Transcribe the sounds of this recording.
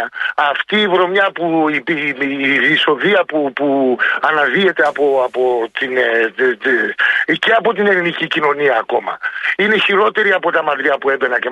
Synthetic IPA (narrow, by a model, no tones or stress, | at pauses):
ɐɐft̪iːvɾo̞mɲɐpuipi | iso̞ðiɐpupuɐnɐðie̞t̪e̞ɐpoɐpot̪in | ceɐpo̞t̪ine̞linicicino̞niɐːko̞mɐ̰ine̞çiɾo̞t̪e̞ɾiɐpo̞t̪ɐmɐt̪ɾiɐpue̞be̞nɐce